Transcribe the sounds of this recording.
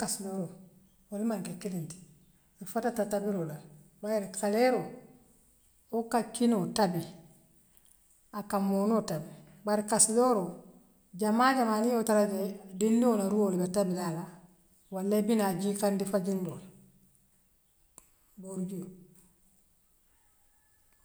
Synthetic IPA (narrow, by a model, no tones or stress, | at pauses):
kasidoɾo | walimaŋkekilinti̥ | ɾifatatatabiɾolabajeɾikaleɾo | okakinotabi | akamoːnotabi | baɾikasidoɾo | ɟamaːɟamaːnijotalaɟedindionaɾuolibatabilala | walːebinaɟikandifaɟindola | boɾɟujo